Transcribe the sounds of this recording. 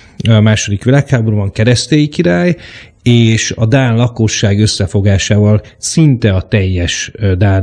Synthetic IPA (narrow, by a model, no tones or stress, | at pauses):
maːʃo̞d̪ikʋilaːkhaːbo̞ɾuvɒŋkɛɾɛst̪eːjikiɾaːj | eːʃɒd̪aːnlɒko̞ʃːaːɡø̞sːɛfo̞ɡaːʃaːvɒlsint̪ɛɒt̪ɛjːɛʃd̪aːn